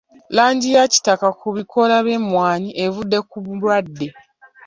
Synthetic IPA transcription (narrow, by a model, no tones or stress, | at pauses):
laːɲɟijaci̥takakuβikʰo̞laβe̞mwaːɲiʔe̞vudːe̞kuβulwadːe̞